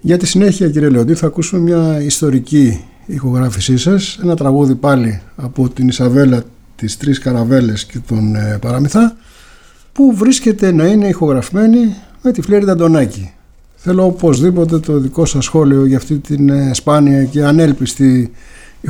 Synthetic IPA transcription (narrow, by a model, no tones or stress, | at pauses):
ʝɐt̪isine̞çiɐciɾieleod̪iθɐːkusume̞mɲɐist̪o̞ɾiciː | xo̞ɣɾɐfisisɐse̞nɐt̪ɾɐɣuðipɐliɐpo̞t̪inisɐve̞lɐ | t̪ist̪ɾiskɐɾɐve̞le̞sce̞t̪o̞npɐɾɐmiθɐ | puvɾisce̞t̪e̞nɐine̞ixo̞ɣɾɐfime̞nime̞t̪ifleɾiðɐd̪o̞nɐci | θe̞lo̞opo̞zðipo̞t̪̬e̞t̪o̞ðiko̞sɐsxo̞lio̞ʝɐft̪it̪inispɐniɐce̞ɐne̞lpist̪i